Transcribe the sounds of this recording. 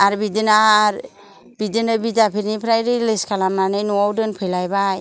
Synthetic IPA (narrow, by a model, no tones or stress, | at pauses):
aɾbidɯnaɾ | bidɯnɯbidapʰiɾnipʰɾajɾilɯskʰalamnanɯjnuawdɯnpʰɯjlajbaj